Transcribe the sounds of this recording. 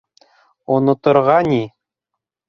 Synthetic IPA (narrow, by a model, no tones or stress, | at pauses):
onŏt̪ŏɾʁɑnʲi